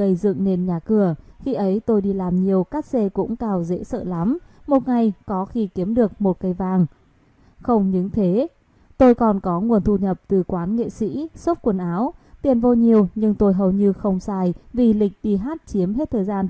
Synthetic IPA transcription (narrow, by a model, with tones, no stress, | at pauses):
ə˧jzɨ̰˧˨ŋne˧nɲaː˨˩kɨ˧˩əxi˧ʔə˨˦jt̪o˧jɗi˧laː˨˩mɲi˨˩əwkaː˦˥k̚se˧kʊ̰˧˥ŋ͡mkaː˧˩wzḛ˧˥sə̰ː˧˨la˨˦mmo˨˩t̚ŋa˨˩jkɔ˨˦xi˧ki˨˦əmɗɨ˨˩ək̚mo˨˩t̚kə˧jvaː˧˩ŋ | xə˧wŋ͡mɲɨ˨˦ŋt̪ʰe˨˦ | t̪o˧jkɔ˨˩nkɔ˨˦ŋu˨˩ənt̪ʰu˧ɲə˨˩p̚t̪ɨ˨˩kwaː˨˦nŋḛ˧˨sḭ˧˥so˦˥p̚kwə˧˩nʔaː˨˦wt̪i˨˩ənvo˧ɲi˨˩əwɲɨ˧ŋt̪o˧jɦə˨˩wɲɨ˧xə˧wŋ͡msaː˧jvi˨˩lï˨˩k̟̚ɗi˧ɦaː˦˥t̚t͡ɕi˨˦əmɦt̚t̪ʰəː˨˩jzaː˧n